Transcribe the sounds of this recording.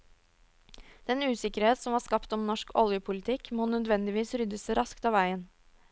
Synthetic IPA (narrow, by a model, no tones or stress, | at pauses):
d̪̥ɛnʉːsɪkəɾheːt̪sɔmʋɑːskɑpt̪ɔmnɔʂkʰɔ̰ljəpʰʊlɪt̪ʰɪkmonœd̪ʋɛnd̪ɪʋiːsɾʏd̪əsəɾɑskt̪ɑːʋæɪən